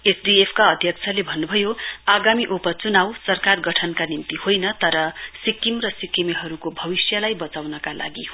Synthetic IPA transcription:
esɖiepʰkaʌd̪ʱjʌk̚t͡sʰʌlebʱʌnːubʱʌjoaɡamiʔupʌt͡sunawsʌrkarɡʌʈʰʌnkanimt̪ihojnʌt̪ʌɾʌsikːimrʌsikimiɦʌɾukobʱʌbisjʌlajbʌt͡sawnʌkalʔa̰ɡi

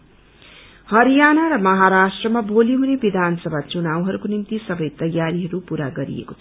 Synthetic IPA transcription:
hʌɾijanaɾʌmʌɦaɾasʈrʌmaboliɦunebid̪ʱanʌsʌbʱat͡sunawɦʌɾukonimt̪isʌbʌjt̪ʌjːaɾiɦʌɾupuɾaɡʌɾḭḛkot͡sʰʌ

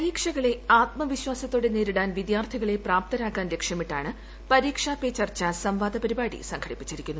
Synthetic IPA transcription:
ɐɾiːkʂɐɣɐɭe̞aːt̪̚mɐʋiɕwaːsɐt̪ːoːɽe̞neːɾiɽaːnʋid̪jaːrt̪ʰiɣɐɭe̞praːp̚t̪ɐnaːkːaːnle̞kʂjɐmiʈːaːɳɨ | pɐɾiːkʂaːpeːt͡ɕɐrt͡ɕːɐsɐmʋaːd̪ʱɐpɐɾibaːɽḭsɐŋkʰɐɽipːit͡ɕːiɾikʲːunːu

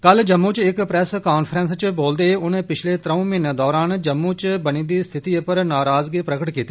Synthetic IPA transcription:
kəld͡ʒəmːuːt͡ʃɪkpɾɛskaːnpʰɾənst͡ʃboːld̪eːʊneːpɪt͡ʃʰleːt̪ɾəũːmɪnd̪ɔːɾaːnd͡ʒəmːuːt͡ʃbəñĩːd̪iːst̪ʰɪt̪iːpəɾnaːɾaːzɡepɾəkəʈkiːt̪ːiː

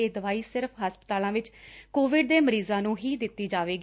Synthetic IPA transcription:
eːd̪əʋaːiːsɪɾpʰɦaːspət̪aːlãːʋɪt͡ʃkoːʋɪɖ̚d̪eːməɾiːzãːnũːɦiːd̪ɪt̪ːiːd͡ʒaːʋeːɡ

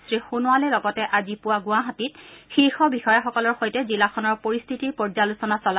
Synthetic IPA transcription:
stɹixunʊwalɛlɔɡɔtɛʔazipʊwaɡʊaɦatit̚xiɹxɔbixɔjaxɔkɔlɔɹxojtɛzilaxʰɔnɔɹpoɹist̪ʰitiɹpɔɹzalusɔnasɔla

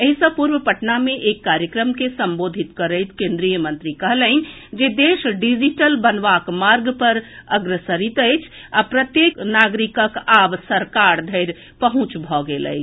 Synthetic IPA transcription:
əɦisəpuɾwəpəʈnameʔekːaɾjəkɾəmkesəmbod̪ʱit̪kəɾəjt̪kẽnd̪ɾijəmənt̪ɾikəɦləɪnd͡ʒed̪eʃɖid͡ʒiʈəlbənʋakmaɾɡpəɾəɡɾəsəɾit̪əjt͡ʃʰapɾət̪jeknaɡɾikəkabsəɾkaɾd̪ʱəɪɾ | pəɦũt͡ʃbʱɔɡelə̰ɪt͡ʃʰ

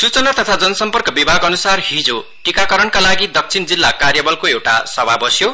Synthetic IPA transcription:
sut͡sʌnat̪ʌt̪ʰad͡zʌnʌsʌmpʌrkʌbibʱaɡʌnusarhid͡zo | ʈikakʌɾʌnkalaɡid̪ʌk̚t͡sʰind͡zilːakarjʌbʌlkoewʈa̰sʌbʱabʌsjo

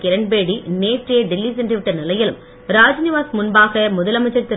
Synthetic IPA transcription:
kɪɾɐɳbeːɽineːʈrɪjeːɖɪlːisɛndrɯʋɪʈːɐnɪlɐjɪlɯ̰m | ɾaːd͡ʒnɪʋaːsmʊnbaːɣɐmʊðɐlɐmɐt͡ʃːɐɾt̪ːɪ

